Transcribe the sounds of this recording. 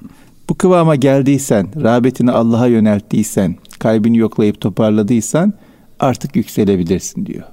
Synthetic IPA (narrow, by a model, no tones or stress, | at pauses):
b̥ukʰɯvaːmaɟælʲd̪iːjsænɾaːbet̪ʰinialˠːaɦajø̞nælʲt̪ʰːiːsænkʰalʲbinijo̞klˠajɯp̚t̪ʰo̞pʰaɾlˠad̪ɯjsan | aɾt̪ʰɯkjycse̞lʲe̞bilʲiɾsi̥nd̪ḭjo̰